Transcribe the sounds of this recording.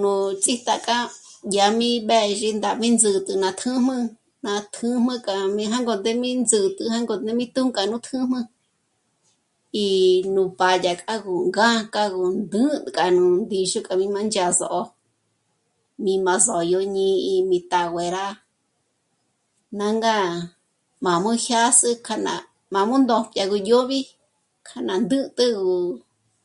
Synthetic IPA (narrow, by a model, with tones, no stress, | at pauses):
nũ˧t͡sʼi˦t̪a˧˨kʼa˦ja˧mĩ˦ɓɛ˧ʒi˧nd̪a˧˨mĩ˦nd͡zɨ˧t̪ʼɨ˧nã˧t̪ʰɨ̃˦mɨ̃˧ | nã˧t̪ʰɨ̃˦mɨ̃˧kʼa˧mĩ˧ɦa˦ŋɡo˧˨nd̪e˦mĩ˦nd͡zɨ˧t̪ʼɨ˧ha˦ŋɡo˧nd̪e˦mĩ˦t̪ũ˦ŋkʼa˧nũ˧˦t̪ʰɨ̃˦mɨ̃˧ | i˧nũ˧˨pa˧˨ja˨kʼa˦ɡu˨ŋɡã˦kʼa˧ɣu˨nd̪ɨ˦t̪kʼa˨nũ˧nd̪i˧ʃu˦kʼa˧mĩ˧mã˧nd͡ʒa˧zo˧ʔo˧ | mĩ˧mã˧zɔ˨jo˧ɲĩ˧i˧mĩ˧t̪a˨wʷe˨ɾa˦ | nã˧ŋɡa˦ | mã˨mũ˦hja˦sɨ˧kʰa˧nã̰˧ | mã˨mũ˦nd̪õ˧˨pʼja˧ɣu˧jo˦βi˦ | kʰa˧nã˨nd̪ɨ˦t̪ʼɨ˦ɡu˨